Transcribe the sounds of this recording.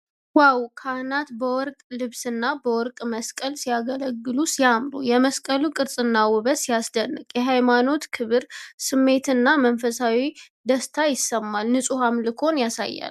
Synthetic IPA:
wawkʰahnat̪bəwɔɾkʼlɨβsɨnːabəwɔɾkʼməskʼəlsijaɡələɡːɨlusijamɾṵjɛməskʼəlukʼɨɾsʼɨnːawɨβəsijasd̪ənːɨkʼjɛɦajmano̞t̪kʰɨβɨɾsɨmːe̞t̪ɨnːamənfəsawi | d̪əst̪ʰajɪsːəmːalnɨsʼuhamlɨkʰo̞njasa̰jːa̰l

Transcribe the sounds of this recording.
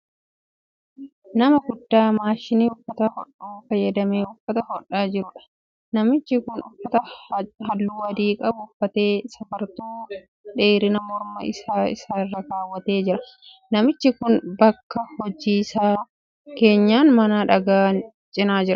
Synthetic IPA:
nɐmɐɡʊd̪ːaːmaːʃɪniːʊfːɐt̪ɐhɔᶑuːfɐjːɐd̪ɐmeːʊfːɐt̪ɐɔᶑːaːd͡ʒɪɾʊᶑɐ̥ | nɐmɪt͡ʃːɪkʊnʊfːɐt̪ɐhɐlːuːɐd̪iːkʼɐbʊfːɐt̪e̞ːsɐfɐɾt̪uː | ᶑe̞ːɾɪnɐmɔɾmɐ̰ʔɪ̰saːɪ̰saːrːɐkaːwːɐt̪e̞ːd͡ʒɪɾɐ | nɐmɪt͡ʃːɪkʊnbɐkːɐhɔd͡ʒiːsaː | ke̞ːɲːaːnmɐnaːᶑɐɡaːn | t͡ʃʼɪnaːd͡ʒɪɾɐ

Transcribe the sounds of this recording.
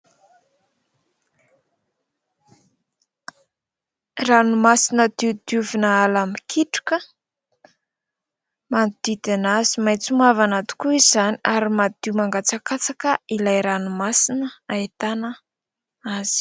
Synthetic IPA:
ranumasinəd̪̥iud̪uvinəalamikʰiʈ͡ʂu̥kə | manud̪̥id̪anazimajt͡sumavanat̪u̥kuizaniaɾimad̪iwmaŋɡat͡sakat͡sakəilajɾanumasinəaet̪anə | az̥i̥

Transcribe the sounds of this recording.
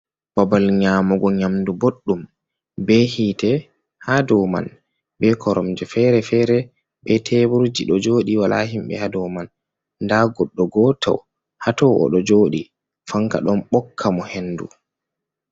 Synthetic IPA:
b̥abalɲaːmɔɡɔɲamduboɗːum | bɛhiːtɛ | hadɔma̰n | bɛkʰɔɾɔmd͡ʒɛfɛɾɛfɛɾɛ | ɓɛtʰebuɾd͡ʒiɗɔd͡ʒoːɗiwala̰ɦimbɛ̰hadɔmanː | daɡɔɗːɔɡɔːtʰa̰w | hatɔʔɔ̰ɗɔd͡ʒoːɗi | faŋka̰ɗɔmɓɔkʰːamɔhenːdṵ

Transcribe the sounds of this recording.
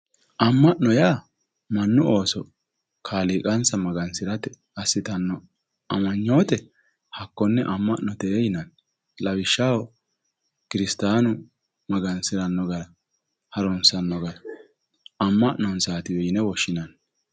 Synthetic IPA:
ʔɐmːɐʔnɔjaː | mɐnːʊo̞ːsɔ | kʰaːliːkʼɐnsɐmɐɡɐnsɪɾɐt̪ɛ | ɐsːɪt̪ɐnːɔ | ɐmɐɲːo̞ːt̪ɛ | hɐkːɔnːɛʔɐmːɐʔnɔt̪ɛːjɪnɐn | lɐwɪʃːawɔ | kɪɾɪst̪aːnʊ | mɐɡɐnsɪɾɐnːɔɡɐɾɐ | hɐɾɔnsɐnːɔɡɐɾɐ | ɐmːɐʔnɔnsaːt̪ɪwɛjɪnɛwɔʃːɪnɐn

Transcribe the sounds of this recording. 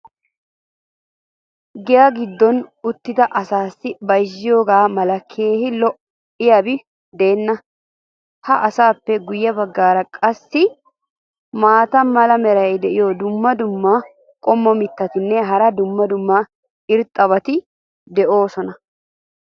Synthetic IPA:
ɡɛjɐɡɪd̪ːɔnʊt̪ːɪd̪ɐʔɐsaːsːɪbɐjd͡ʒːɪjo̞ːɡaːmɐlɐkʰːeːhɪlɔʔ | ɪjɐbɪ | d̪e̞ːnːɐ | hɐʔɐsaːpːɛɡʊjːɐbɐɡːaːɾɐkʼɐsːɪ | maːt̪ɐmɐlɐmɛɾɐjd̪ɛʔɪjɔd̪ʊmːɐd̪ʊmːɐ | kʼɔmːɔmɪt̪ːɐt̪ɪnːɛɦɐɾɐd̪ʊmːɐd̪ʊmːɐ | ɪɾt̪ʼːɐβɐt̪ɪ | d̪ɛʔo̞ːsɔnɐ

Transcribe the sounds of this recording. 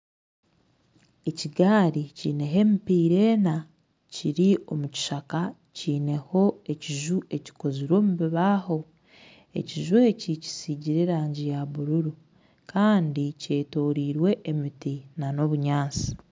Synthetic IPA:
e̞ciɡaːɾiciːne̞ɦe̞ːmipiːɾe̞ːna | ciɾio̞muci̥ʃaka | ciːne̞ho̞e̞ciʒuʔe̞ci̥ko̞ziɾo̞ːmuβiβaːho̞ | e̞̰ciʒwe̞ːcici̥siɟiɾe̞ɾaːɲɟijaβuɾuɾu | kaːndice̞ːto̞ːɾiːɾwe̞ʔːmitinano̞βuɲaːt͡si̥

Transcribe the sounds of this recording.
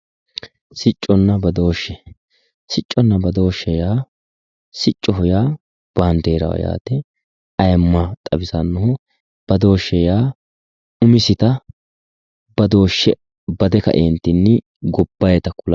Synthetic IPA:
sɪt͡ʃʼːɔnːɐbɐd̪o̞ːʃːɛ | sɪt͡ʃʼːɔnːɐbɐd̪o̞ːʃːɛjaː | sɪt͡ʃʼːɔɦʊjaː | b̥aːnd̪eːɾɐ̰wɐ̰ja̰ːt̪ɛ | ɐjmːɐt̪ʼɐbɪsɐnːɔhʊ | b̥ɐd̪o̞ːʃːɛjaː | ʊmɪsɪt̪ɐ | b̥ɐd̪o̞ːʃːɛ | bɐd̪ɛkɐ̰ʔeːnt̪ːɪnːɪ | ɡɔbːɐjɛt̪ɐkʊl

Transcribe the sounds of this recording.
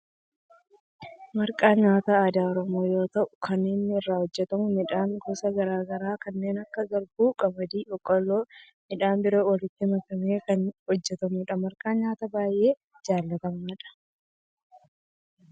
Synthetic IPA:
mɐɾkʼaːɲaːt̪aːd̪aːɔɾɔmo̞ːjo̞ːt̪ɐʔʊkʰɐnːeːnːɪɪrːaːhɔd͡ʒːɛt̪ɐmʊnɪᶑaːŋɡɔːsɐɡɐɾaːɡɐɾaːkɐnːe̞ːnɐkːɐɡɐɾbuːkʼɐmɐd̪iːʔɔkʼɔlːoː | nɪᶑaːnbɪɾoːwɐlɪt̪ːɪmɐkɐme̞ːkɐnhɔd͡ʒːɛt̪ɐmuːᶑɐmɐɾkʼaːɲaːt̪ɐbaːjʔe̞ː | d͡ʒaːlːɐt̪ɐmaːᶑɐ̥

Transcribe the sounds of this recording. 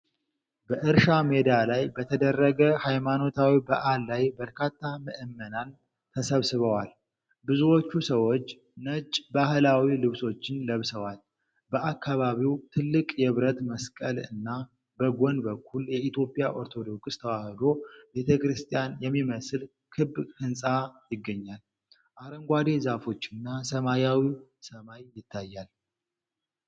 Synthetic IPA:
bəʔɨɾʃame̞d̪alajbət̪ʰəd̪ərːəɡəhajmano̞t̪ʰawibəʔalːajbəɾkʰat̪ʰːamɨʔɨmːənan | t̪ʰəsəβsɨβəwal | bɨzuwo̞t͡ʃːusəwot͡ʃː | nət͡ʃʼbahɨlawilɨβso̞t͡ʃːɪnləβsəwal | bəʔakʰːaβaβiwt̪ʰɨlːɨkʼjɛβɾət̪məskʼəlɨ̰nːa | bəɡonbəkʰːuljɛit̪ʰjo̞pʼjaʔoɾt̪ʰo̞d̪o̞kʼst̪ʰəwahɨd̪o̞be̞t̪ʰəkɾɨst̪ʰʼijanjɛmːiməsɨl | kʰɨbːhɨnsʼajɪɡːəɲːal | ʔaɾəŋɡʷad̪e̞zafo̞t͡ʃːɪnːasəmajawisəmajjɪt̪ʰːajːal

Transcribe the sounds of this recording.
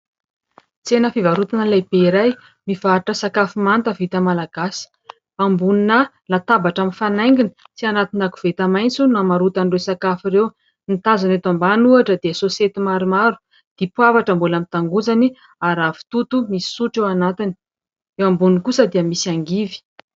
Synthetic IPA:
t͡senəfivaɾut̪anəlajbeiɾaj | mivaʈ͡ʂəsakafimant̪əvit̪əmalaɡ̥asi̥ | ambuninə | lat̪abaʈ͡ʂaminfanajŋɡini̥ | t͡sianat̪inakuv̥et̪amajnt͡sunamaɾut̪anɖ͡ʐesakafiɾew | nit̪azanet̪ambanuaʈ͡ʂəd̪iəsoset̪imaɾimaɾu̥ | d̪̥ipuavaʈ͡ʂəmbulamint̪aŋɡuzani | aɾavi̥t̪ut̪umisi̥suʈ͡ʂewanat̪ini̥ | ewambunikusəd̪iəmisiaŋɡivi̥

